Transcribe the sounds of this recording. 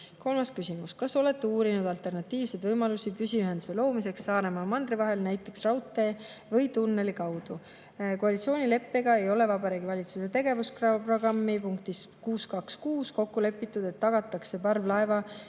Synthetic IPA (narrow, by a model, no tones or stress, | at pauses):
ko̞lmɑskysimuskɑso̞le̞t̪ːeuːɾinud̪ɑlt̪e̞rnɑt̪ːˑiːvse̞d̪vɤjmɑlusipysʲiyɦend̪use̞lo̞ːmise̞ksːɑːɾe̞mɑmɑnd̪ɾivɑɦe̞lnæjt̪ːˑe̞ksrɑwt̪ːˑe̞ | vɤjt̪unːe̞likɑwd̪̥u | koɑlʲit̪sio̞ːnʲile̞pːe̞ɡɑe̞jo̞le̞vɑbɑɾeːɡivɑlʲit̪suse̞t̪e̞ɡe̞vuskrɑvpro̞ɡɑmːipuŋkt̪iskuːskɑkskuːsko̞kːule̞pːˑit̪ːˑud̪̥e̞t̪ːɑɡ̥ɑt̪ːˑɑkse̞pɑrvlɑe̞vɑ